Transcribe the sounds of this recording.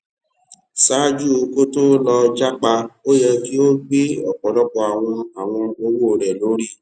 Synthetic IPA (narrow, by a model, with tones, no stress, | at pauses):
sa˨˦d͡ʒu˦o˧ko˦to˦lɔ˧d͡ʒa˦k͡pa˧o˦jɛ˧ki˦o˦ɡ͡bi˦ɔ̰˨k͡pɔ˨dɔ˦k͡pɔ˧a˨w̃ɔ̃˧a˨w̃ɔ̃˧o˧wu˦o˨ɾɛ˨lo˨˦ɾi˦˨